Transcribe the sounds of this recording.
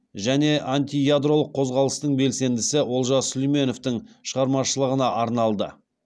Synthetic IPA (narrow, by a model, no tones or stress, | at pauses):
ʒæne̞ʔanʲt̪ʲijad̪ɾo̞lˠəqʰːo̞zʁɑlˠəst̪əɴbe̞lse̞nd̪ɪsɪwo̞lˠʒɑslʲijme̞no̞ft̪ɪɴʃəʁɑɾmɑʃəlˠəʁənɑʔɑɾnɑlˠd̪ə̰